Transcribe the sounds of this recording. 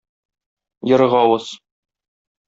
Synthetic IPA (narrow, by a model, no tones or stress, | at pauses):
jɤ̆ɾɤ̆ʁɑwɤz